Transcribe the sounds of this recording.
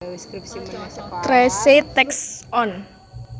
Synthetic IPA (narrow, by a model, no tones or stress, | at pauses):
t̪ɾɛset̪ɛksɔn